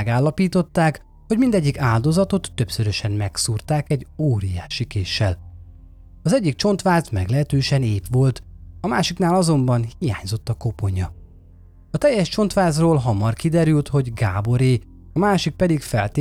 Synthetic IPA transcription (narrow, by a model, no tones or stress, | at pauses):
ɛɡaːlːɒpiːt̪o̞t̪ːaːk | ho̞ɟmind̪ɛɟːikaːld̪o̞zɒt̪o̞t̪ːøpsøɾø̞ʃɛnmɛksuːrt̪aːkɛɟoːɾijaːʃikeːʃːɛ̰l | ɒzɛɟːik̚t͡ʃo̞nt̪ʋaːzmɛ̰ɡlɛɦɛt̪øːʃɛneːpʋo̞lt̪ɒmaːʃiknaːlɒzo̞mbɒnhija̰ːɲzo̞t̪ːɒko̞po̞ɲɒ | ɒt̪ɛjːɛʃt͡ʃo̞nt̪ʋaːzroːlɦɒmɒrkid̪ɛɾylt̪ho̞ɟɡaːbo̞ɾeː | ɒmaːʃik̚pɛd̪ikfɛlt̪ː